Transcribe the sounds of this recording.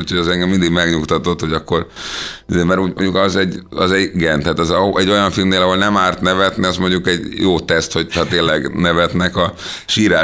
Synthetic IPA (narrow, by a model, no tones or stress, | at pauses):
uːcʰhoɟɛzɛŋɡɛmːind̪iɡmɛɡɲukt̪ɒt̪o̞t̪hoɟɒkːo̞rizeːmɛɾuːɟmoɲɟukɒzɛɟɒzɛɟiɡɛnt̪ɛɦːt̪ɛzɛɟːo̞jɒɱfilmneːlɒɦo̞lnɛmaːrt̪nɛvɛt̪niɒzmo̞ɲɟukɛɟjoːt̪ɛst̪ho̞ɟɒt̪eːlɛɡnɛvɛt̪nɛkɒ | ʃiːɾa